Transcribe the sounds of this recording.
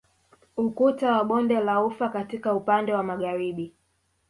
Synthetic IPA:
ukutawaɓɔndɛlaufakatikaupandɛwamaɣaɾiɓi

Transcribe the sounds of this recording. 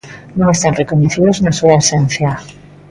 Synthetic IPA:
nõŋest̪anrekoɲeθiðoznasuaesen̟θja

